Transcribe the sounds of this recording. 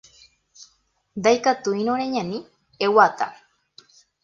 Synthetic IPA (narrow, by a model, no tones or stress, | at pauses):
d̪ajkat̪uinoɾeɲani | ewat̪a̰